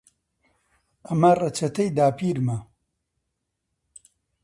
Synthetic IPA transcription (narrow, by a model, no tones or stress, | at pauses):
ɐmarɐt͡ʃʰɐt̪ʰɐjd̪aːpʰiːɾma